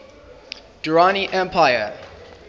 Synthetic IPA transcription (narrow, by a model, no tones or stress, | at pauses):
d̥əɹaniʔɛ̃mpʰaɪə